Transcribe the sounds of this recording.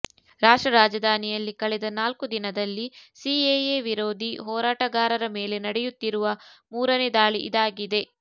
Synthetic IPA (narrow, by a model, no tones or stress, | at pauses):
ɾaːʂʈɾɐɾaːd͡ʒɐd̪ʱaːnijɐlːikɐɭɛd̪ɐnaːlkud̪inɐd̪ɐlːisiejeʋiɾoːd̪ʱiɦɔːɾaːʈɐɡaːɾɐɾɐmeːle̞nɐɽɛjut̪ːiɾuʋɐmuːɾɐned̪aːɭiʔid̪aːɡid̪e̞